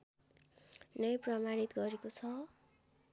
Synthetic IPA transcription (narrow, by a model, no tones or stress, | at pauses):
nʌjprʌmaɾit̪ɡʌɾekot͡sʰʌ